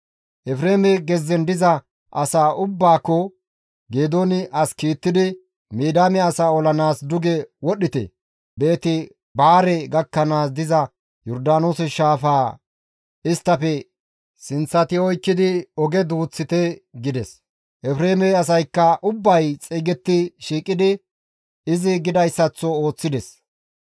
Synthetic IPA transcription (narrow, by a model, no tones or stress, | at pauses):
ʔɛfɾeːmɛɡɛzːɛnd̪ɪzɐ | ʔɐsaːʔʊbːaːkːɔ | ɡeːd̪oːnɪʔɐskiːt̪ːɪd̪ɪ | miːd̪aːmɛɐsaːɔlɐnaːsd̪ʊɡɛwɔɗɪt̪ɛ̰ | be̞ːt̪ɪ | baːɾɛɡɐkːɐnaːs̬d̪ɪzɐ | jɔɾd̪aːnoːsɛʃaːfaː | ɪst̪ːɐfɛ | sɪnt͡sːɐt̪ɪɔjkːɪd̪ɪɔɡɛd̪uːt͡sːɪt̪ɛɡɪd̪ɛs | ʔɛfɾeːmɛɐs̬ɐjkːɐʔʊbːɐjt͡sʼiːɡɛt̪ːɪʃiːkʼːɪd̪ɪ | ɪzɪɡɪd̪ɐjsːɐt͡sːɔo̞ːt͡sːɪd̪ɛs